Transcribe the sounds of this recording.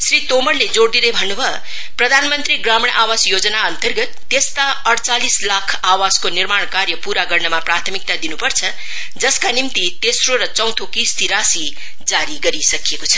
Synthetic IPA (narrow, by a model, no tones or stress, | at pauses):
srit̪omʌrled͡zoɽd̪inebʱʌnːubʱʌ | prʌd̪ʱanmʌnt̪ɾiɡramɽ̃ʔawasjod͡zʌnaʌnt̪ʌrɡʌt̪ːest̪aʌɽt͡salislakʰawaskonirmaɽ̃karjʌpuɾaɡʌrnʌmaprat̪ʰʌmik̚t̪ad̪inupʌrt͡sʰʌ | d͡zʌskanimt̪it̪esroɾʌt͡sʌ̃w̃t̪ʰokist̪ʰiɾasi | d͡zaɾiɡʌɾisʌkijekot͡sʰʌ̥